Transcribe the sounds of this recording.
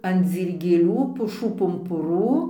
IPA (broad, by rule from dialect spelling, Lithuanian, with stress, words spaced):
ɐn d͡zʲiːrʲɡʲeːˈlʲuː pʊˈʃuː pʊmpʊˈruː